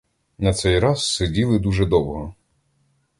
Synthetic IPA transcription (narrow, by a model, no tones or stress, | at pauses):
nɐt̪sɛjɾɑzsedʲilˠɪd̪uʒɛd̪ɔwɦɔ